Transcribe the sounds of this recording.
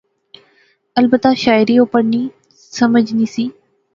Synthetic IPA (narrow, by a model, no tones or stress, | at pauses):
əlbət̪aʃaːɪɾiːopəɽniː | səməd͡ʒniːsiː